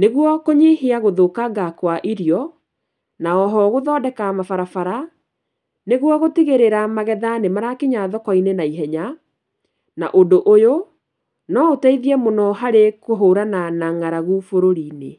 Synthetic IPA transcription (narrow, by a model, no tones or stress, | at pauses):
neɣwɔkoɲeheaɣoðokaɡakwaʔiɾjɔ | naɔɦɔɣoðɔːdɛkamafaɾafaɾa | neɣwɔɣotiɣeɾeɾamaɣɛðanemaɾakeɲaðɔkɔinenaiɦɛɲa | naʔondoʔojo | nɔotaiðiɛmonɔɦaɾekoɦoɾananaŋaɾaɣufoɾoɾine